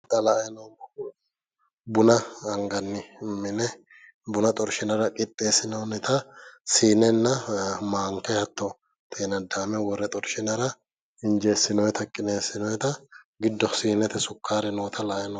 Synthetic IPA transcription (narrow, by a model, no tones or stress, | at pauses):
t̪ɐlɐɛnɐw | bʊnɐːŋɡɐnːɪmːɪnɛ | bʊnɐt̪ʼɔɾʃɪnɐɾɐkʼɪt̪ʼːe̞ːsɪnɐwnɪt̪ɐsiːnɛnːɐmaːŋkɛhɐt̪ːɔ | t̪ʰeːnɐd̪aːmɛwɔrːɛt̪ʼɔɾʃɪnɐɾɐ | ɪnd͡ʒe̞ːsːɪnɔjɛt̪ɐkʼːɪneːsːɪnɔjɛt̪ɐɡɪd̪ːɔsiːnɛt̪ɛsʊkʰːaːɾɛnoːt̪ʰɐlɐʔɛnɐ